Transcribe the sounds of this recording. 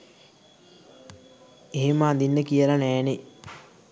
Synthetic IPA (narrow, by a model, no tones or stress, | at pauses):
eɦeməand̪inːəkijəlanɛːne